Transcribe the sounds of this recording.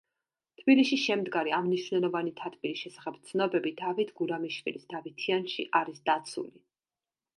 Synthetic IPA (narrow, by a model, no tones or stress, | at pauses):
t̪ʰb̥iliʃiʃɛmd̪ɡaɾiamniʃvnɛlˠɔvanit̪ʰat̪ʰbiɾisʃɛsaχɛbt̪sʰnɔbɛbid̪avit̪ʰɡuɾamiʃvḭlisd̪̥avit̪ʰianʃiʔaɾisd̪at̪sʰṵli